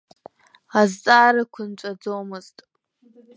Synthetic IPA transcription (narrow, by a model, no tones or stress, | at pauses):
azt͡sʼaːɾɨkʷʰʊnt͡ʃʷʼad͡zomɨztʼ